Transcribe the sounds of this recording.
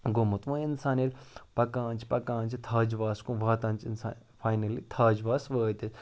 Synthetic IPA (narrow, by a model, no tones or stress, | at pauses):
ɡomɐt̪ʋũinsaːnilpɐkãːnt͡ʃʰi̥pɐkãːnt͡ʃʰit̪ʰaːd͡ʒʋaːskũʋaːt̪ɐ̃ːnt͡ʃinsa̰ːn | faːjnɐlit̪ʰaːd͡ʒʋaːsʋəːt̪es